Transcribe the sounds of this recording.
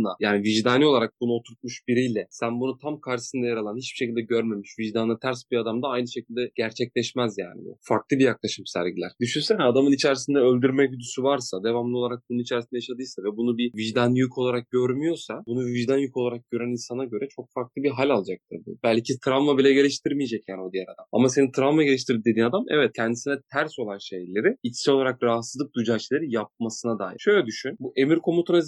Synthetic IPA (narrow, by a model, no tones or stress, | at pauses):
lˠajaːniviʒd̪anio̞lˠaɾak̚bunuo̞t̪ʰuɾt̪̚muʃbiɾijlʲɛsænbunut̪ʰamkʰaɾʃɯ̥sɯnd̪ajaɾalˠanhit͡ʃb̥iʃecid̪ɛɟøɾme̞miʃviʒd̪anat̪ʰæɾsbiad̪amd̪aajnɯʃe̞cʰilʲd̪ɛɟ̥æɾt͡ʃʰɛclʲɛʃmæzja̰ːnḭbṵfaɾklˠɯbijaklˠaʃɯmsæ̰ɾɟilʲæ̰ɾ̥d̪yʃynsɛnad̪amɯnit͡ʃʰæɾisind̪ɛølʲd̪yɾmɛyd̪ysyvaɾsad̪e̞vamlˠɯo̞lˠaɾak̚bunuit͡ʃʰɛɾisind̪ɛjaʃad̪ɯjsavɛbunubiviʒd̪anjykʰo̞lˠaɾak̚ɟøɾmyjo̞sabunuviʒd̪anjykʰo̞lˠaɾak̚ɟø̞ɾæninsanaɟø̞ɾɛt͡ʃʰo̞kfaɾklˠɯbiɦalʲalˠad͡ʒak̚t̪ʰɯɾbṵbælʲcʰit̪ʰɾanvabilʲɛɟe̞lʲiʃt̪ʰiɾmijed͡ʒɛcjanio̞d̪ijɛɾad̪ama̰mase̞nit̪ʰɾanvaɟe̞lʲiʃt̪ʰiɾd̪id̪ed̪iːnad̪amʔɛ̰vɛt̪̚cʰɛnd̪isinɛt̪ʰæɾso̞lˠanʃejlʲːe̞ɾiit͡ʃʰi̥sio̞lˠaɾakɾaɦasɯzˠɯp̚d̪ujd͡ʒaːʃʰjlʲˠeɾijap̚masɯnad̪a̰ːjḭʃø̞jlʲɛd̪yʃynbuʔe̞miɾkʰo̞mut̪ʰunaz